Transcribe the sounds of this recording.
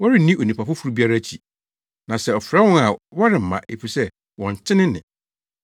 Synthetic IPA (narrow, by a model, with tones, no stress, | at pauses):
wɔ˦ɾɪ̃˦˨nĩ˦ʔo˨nĩ˨pʰa˨fʊ˦fu˦ɾu˦bi˦a˦ɾa˦t͡ɕʰi˨ | nã˨sɛ˦˨ɔ˨fɾa˦wʊ̃˦a˨wɔ˦ɾɪ˨m̩˨mã̰˨ʔe˨fi˨sɛ˦ | wɔ̃˨ɲ˨t͡ɕʰɪ̃˦nɪ̃˦nɪ̃˨